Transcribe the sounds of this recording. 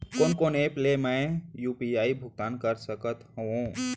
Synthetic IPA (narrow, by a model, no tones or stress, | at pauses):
koːnkoːneːplemɛ̃juːpiaːibʱʊɡ̚t̪aːnkəɾsəkət̪hoõ